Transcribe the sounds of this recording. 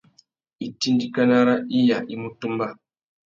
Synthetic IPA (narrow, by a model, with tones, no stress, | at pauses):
i˨ti˦n˦di˦ka˦na˦ɾa˦i˦ja˨ʔi˨mu˦tu˦mba˦˨